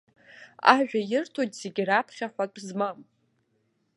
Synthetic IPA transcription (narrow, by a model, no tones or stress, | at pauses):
a̰ʒᶣajɪrtʰojtʼz̥eɡʲirapʰχʲaħʷakʷʼʰzmam